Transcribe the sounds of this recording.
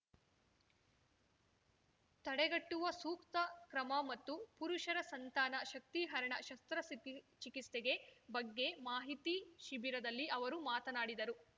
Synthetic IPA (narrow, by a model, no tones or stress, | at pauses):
t̪ɐɽɛɡɐʈːuʋɐsuːkt̪ɐkɾɐmɐmɐt̪ːupuɾuʃɐɾɐsɐnt̪aːnɐʃɐk̚t̪iɦɐɾɐɳɐʃɐst̪ɾɐsit͡ʃikist̪eɡe̞bɐɡːe̞maːɦit̪iʃibiɾɐd̪ɐlːiʔɐʋɐɾumaːt̪ɐnaːɽid̪ɐɾu